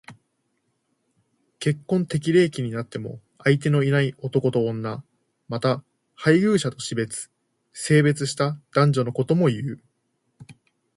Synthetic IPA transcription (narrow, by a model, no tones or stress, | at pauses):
ke̞kːõ̞nt̪e̞k̬ʲiɾe̞ːkʲiɲ̟inat̪ːe̞mo̞̰ | ait̪e̞no̞inaio̞t̪o̞ko̞t̪õ̞ːnːa | mat̪a | haiɡɯ̟ːɕat̪o̞ɕibe̞t͡sɨ̥ | se̞ːbe̞t͡sɨɕi̥t̪ad̪̥ãɲ̟d͡ʑo̞no̞ko̞t̪o̞mo̞jɯ̟ː